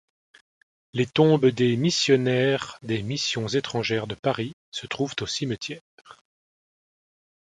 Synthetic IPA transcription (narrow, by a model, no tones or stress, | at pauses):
let̪ɔ̃bd̪emisjɔnɛʁd̪emisjɔ̃zet̪χɑ̃ʒɛʁd̪əpaʁi | sət̪χuvt̪osimət̪ʰjɛ | ʁ